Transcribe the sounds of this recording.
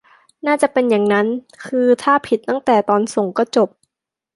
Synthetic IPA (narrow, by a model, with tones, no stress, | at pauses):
naː˥˩t͡ɕa˨˩pe˧nja˨˩ŋna˦˥n | kʰɯː˧t̪ʰaː˥˩pʰi˨˩t̪ːa˥˩ŋt̪ɛː˨˩t̪ɔː˧nso˨˩˦ŋkɔː˧˥˩t͡ɕo˨˩p̚